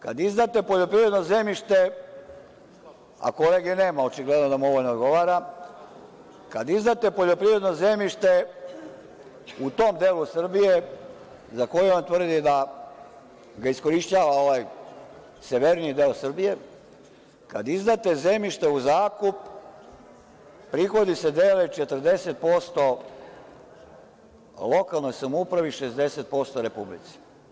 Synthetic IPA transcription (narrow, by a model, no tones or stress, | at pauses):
ka̰d̪izd̪at̪epo̞ʎo̞pɾiʋɾe̞d̪no̞ze̞miʃt̪e̞ | a̰ko̞leɡene̞ːmaot͡ʃiɡle̞d̪no̞d̪amo̞ʋoʎnood̪ɡo̞ʋaːɾa | kad̪izd̪at̪e̞po̞ʎo̞pɾiʋɾed̪no̞ze̞miʃt̪e̞ | ut̪o̞ːmd̪eːlˠusr̩bije | zako̞jeo̞nt̪ʋr̩d̪id̪a | ɡaisko̞ɾiʃt͡ɕaːʋao̞ʋaj | seʋeɾnijid̪e̞ːosr̩bije̞ | kad̪izd̪at̪e̞ze̞miʃt̪e̞uzaːkup | pɾixo̞d̪ise̞d̪eːlet͡ʃet̪r̩d̪e̞set̪̚po̞st̪o̞ | lo̞kalˠno̞jsamoupɾaʋiʃezd̪e̞set̪̚po̞st̪o̞ɾe̞publḭt̪si̥